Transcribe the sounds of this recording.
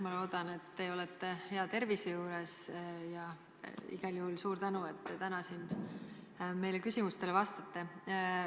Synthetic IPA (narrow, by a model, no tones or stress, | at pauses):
mɑlo̞ːd̪̥ɑne̞t̪ːeo̞let̪ːehe̞ɑt̪e̞rvisejuːɾesjɑ | ḭɡ̥ɑljuhulsuːɾt̪ænue̞t̪ːe̞t̪ænɑsin | me̞jlekysʲimust̪e̞levɑst̪ɑt̪ːe̞